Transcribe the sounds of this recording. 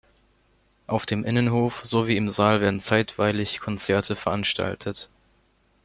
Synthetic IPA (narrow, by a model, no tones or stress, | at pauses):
ʔaʊfd̥eːmʔɪnənɦoːfz̥oviːɪmzaːlveːɐdn̩t͡saɪtv̥aɪlɪçkʰɔnt͡sɛɐtʰəfɛɐʔanʃtʰa̰ltʰət